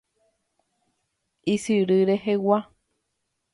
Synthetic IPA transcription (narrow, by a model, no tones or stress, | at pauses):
isɨɾɨɾehewa